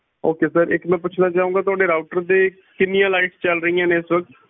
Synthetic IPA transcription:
oːkeːsəɾɪ̰kmɛ̃ːpʊt͡ʃʰnãːt͡ʃaːũːɡaːt̪̬ʊɦaːɖeːɾaːʊʈəɾd̪eː | kɪnːɪjãːlaːɪʈst͡ʃəlɾəijãːneːɪsʋək̚t̪

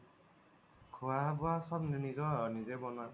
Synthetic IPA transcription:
kʰoabɔasɔbninizɔɔnizebɔna

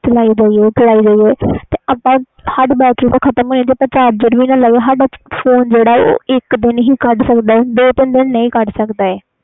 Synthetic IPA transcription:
t͡ʃəlaːiːd͡ʒaːiɛːt͡ʃəlaːiːd͡ʒaːiːɛːt̪eːʔaːpãː | həɖbɛːkiːt̪aːkʰət̪əmɦoːniːd͡ʒ̪eːpət͡ʃaːbd͡ʒɪʈʋiːnãːlaːiɛːɦəɖpʰoːnd͡ʒeːɽaːo̰ːɪkd̪ɪnɦiːkəɖsəkd̪aːɛːd̪oːt̪ɪnd̪ɪnːəĩːkəɖsəkd̪aːɛː

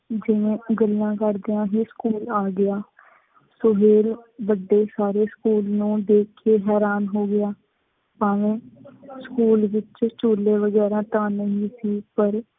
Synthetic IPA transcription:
d͡ʒɪʋẽːɡəlːãːkəɾd̪eãːɦiːskuːlaːɡɪaː | sʊɦeːlʋəɖːeːsaːɾeːskuːlnũːd̪eːkʰeːɦɛːɾaːnɦoːɡɪjaː | aːʋẽːskuːlʋɪt͡ʃt͡ʃoːlːeːʋəɡɛːɾãːt̪ãːnəɦĩːsiːpəɾ

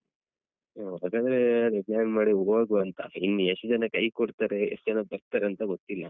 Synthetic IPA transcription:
oɦaːɡaːd̪ɐɾeɐd̪eplaːnmaːɽiɦoːɡuɐnt̪ɐ̰inːueʂd͡ʒɐnɐkɐjkoɽt̪aːɾe̞ḛʂtːd͡ʒɐnɐbɐɾt̪aːɾeɐnt̪ɐɡot̪ːilːɐ

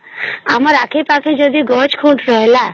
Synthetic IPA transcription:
amaɾakʰepakʰẽd͡ʒod̪iɡɔːt͡ʃkʰũʈɾɔɦela

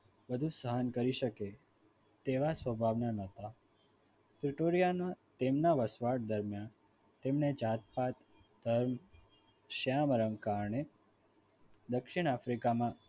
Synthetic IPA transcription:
bəd̪ʱũsəɦənkəɾiʃəke | t̪eʋasʋəbʱaʋnanət̪a | pɾiʈoɾijanat̪emnaʋəsʋaʈ̚d̪əɾmjan | t̪emned͡ʒat̪̚pat̪ | d̪ʱəɾm | ʃaməɾəmkaɾɳe | d̪əkʃiɳ̃afɾikamã

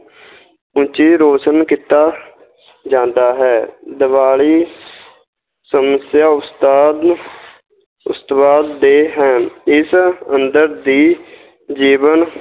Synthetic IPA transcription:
ʊ̃t͡ʃiːɾoːt͡ʃənkiːt̪aː | d͡ʒãːnd̪aːɦɛːd̪ɪʋaːliː | səməsjaːʊst̪aːd̪ | ʊ̰st̪ʋaːd̪ːeːɦɛ̃ːɪsə̃nd̪əɾd̪iː | d͡ʒiːʋən

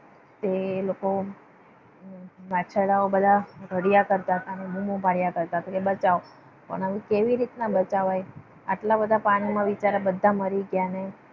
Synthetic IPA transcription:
t̪eloko | ʋat͡ʃʰaɽaobəd̪ʱaɾəɽijakəɾt̪aɦət̪anemũmobʱaɽjakəɾt̪aɦət̪akebət͡ʃao | pə̰ɳaʋĩkeʋiɾit̪nabət͡ʃaʋaj | a̰ʈlabəd̪ʱapaɽ̃imãʋit͡ʃaɾabəd̪ʱːaməɾiɡjane

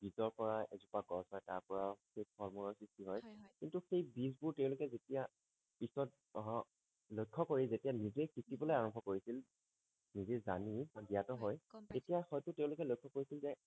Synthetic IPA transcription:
b̥izɔɹpɔɹaezupaɡɔsɔjta̰ɹpɔɹawxejfʰɔɹmunɔsɹistiɦɔjkintuxejbizbʊɹtɛʊ̃lʊkɛzetija | pisɔt̚ | ɦɔ̃ | lojkʰːɔkoɹizetijanizekikibɔlojaɹɔmbʱɔkoɹisil | nizezanibaɡijatɔɦɔjtetijaxɔjtʊteʊ̃lʊkɛlojkʰːɔkoɹisilzɛ

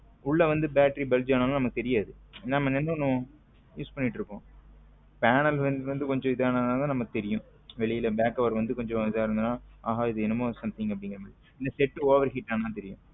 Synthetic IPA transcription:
ʊɭːɐʋɐnd̪ɯbaːʈɾibɛld͡ʒaːnaːlaːnɐmɐkːɯt̪ɛɾɪjaːðɯɛnːaːnɐmɐnɛnːõnõ | juːspɐnːɪʈːɾɯkːõː | paːnɐlʋɐnd̪ɯʋɐnd̪ɯkɔɲd͡ʒɔ̃ɪðaːnaːðnaːðãːnɐmːɐkːɯt̪ɛɾɪjʊ̃ | ʋɛɭɪjɪlɐbaːkːɐʋɐɾʋɐnd̪ɯkɔɲd͡ʒɔ̃ɪðaːɪɾɯnd̪ɯnːãːaːɦaːɪðɯɛnːɯmoːsɐmt̪ʰɪ̃ŋɡɐpːɐɽɪ̃ŋɡɐɾɐmɐɭː | ɪnd̪ɐsɛʈːɯoːʋɐɾɦɪʈːaːnaːt̪ɛɾɪjʊ̰̃

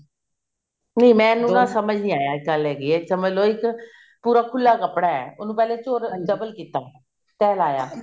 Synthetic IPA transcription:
neːmɛ̃ːnũːnãːsəməd͡ʒnĩːaːjaːɪkəlɛːɡiːɛɪksəməd͡ʒloːɪk | puːɾaːkʰʊlːaːkəpɽaːɛ̰ːʊnũːpɛːleːt͡ʃoːɾd͡ʒəbəlkiːt̪aː | t̪ɛːlaːjaː

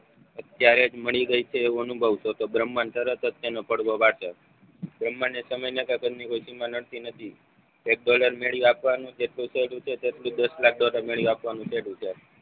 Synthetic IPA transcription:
ət̪jaɾed͡ʒməɭiɡəit͡ʃʰeːʋuənubʱəʋʃot̪obɾəmːant̪əɾət̪ət̪janopəɽʋoʋaɽʃe | bɾəmːanːesəməjnəkəkəd͡ʒnikojsimanəɽt̪inət̪ʰi | ek̚ɖɔləɾmeɭjũapʋanũd͡ʒeʈlũseɽũt͡ʃʰet̪eʈlũd̪əslak̚ɖɔləɾmeɭjũapʋanũseɽũt͡ʃʰe

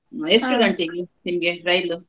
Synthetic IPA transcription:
esʈuɡɐɳʈeɡunimɐɡeɾɐjlu

